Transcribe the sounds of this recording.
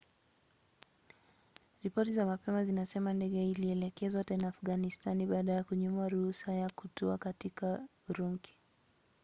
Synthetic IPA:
ɾipɔtizamapɛmazinasɛmandɛɡɛiliɛlɛkɛzwatɛnaːfɣanistaniɓaːɗajakuɲumaɾuhusajakutɔakatika | uɾuŋkʰi̥

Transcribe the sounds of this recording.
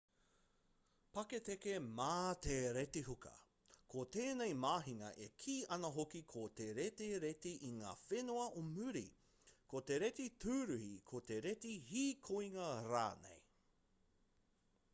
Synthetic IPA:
pɐket̪ekemaːt̪eɾetiɦukɐ̰ | kʰot̪eːnejmaːɦiŋɐ̰ʔekʰiːɐnɐɦokikʰot̪eɾeteɾet̪iʔiŋa̰ːfenoɐʔomʉɾḭ | kʰot̪eɾet̪itʰʉːɾʉhikʰot̪eɾetihiːkʰoiŋɐɾa̰ːnḛj

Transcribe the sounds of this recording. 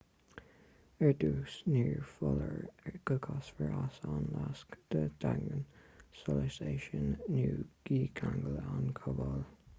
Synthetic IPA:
əɹd̪uːsniːɹfɔləɹɛɹɡ̥əkʰɑsfəɹasɑnlaskd̪̥əd̪̥aŋɡənsɔləseːʃənːuːɡ̥iːkʰaŋɡələankʰɔvɔl

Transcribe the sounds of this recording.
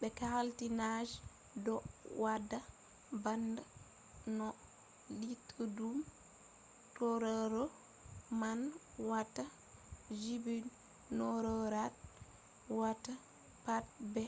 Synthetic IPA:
bɛkahaltinad͡ʒ | dɔwadːa | banda | nɔ | litʰudum | tɔɾɔɾɔ | man | wata | d͡ʒibin | nɔɾɔɾat̚ | wata | pat̚bɛ

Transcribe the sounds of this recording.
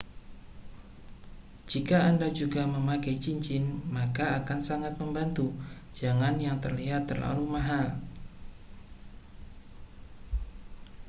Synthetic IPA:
d͡ʒikaandad͡ʒuɡaməmakajt͡ʃiɲt͡ʃɪnmakaːkansaŋat̪̚məmbant̪ud͡ʒaŋanjaŋt̪ərliɦat̪ːərla̰lumaɦal

